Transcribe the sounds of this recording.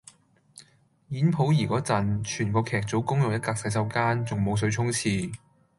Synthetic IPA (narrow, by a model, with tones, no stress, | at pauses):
jiː˨˥npʰo˨˥wjiː˨˩kɔː˨˥t͡sɐ˨˩nt͡ʃʰyː˨˩nkɔː˧kʰɛː˨˩k̚t͡so˨˥wkʊ˥ŋjʊ˨ŋjɐ˥t̚kaː˧k̚sɐ˨˧˥js̬ɐ˥wkaː˥nt͡sʊ˨˩ŋmo˨˧ws̬ɵ˨˧˥ɥt͡sʰʊ˥ŋt͡sʰiː˧